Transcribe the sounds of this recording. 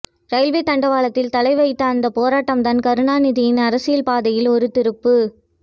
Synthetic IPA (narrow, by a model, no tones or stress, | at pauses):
ɾɐɪlʋet̪ɐɳɖɐʋaːlɐt̪ːɪlt̪ɐlɐɪʋɐɪt̪ːɐːnd̪ɐpoːɾaːʈːɐmd̪ɐnkɐɾɯɳaːnɪðɪjɪnɐɾɐsɪjɐlpaːðɐjɪlɔɾɯt̪ɪɾɯpːɯ